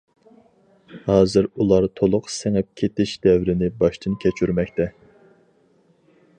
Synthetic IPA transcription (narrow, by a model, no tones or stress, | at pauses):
hɑːzɨɾulˠɑɾt̪ʰolˠʊqsɪŋɛp̚kʲʰet̪ɪʃd̪ɛvɾɪnɪbɑʃt̪ʰɨnkʲʰɛt͡ʃʰyɾmɛkʲt̪ʰɛ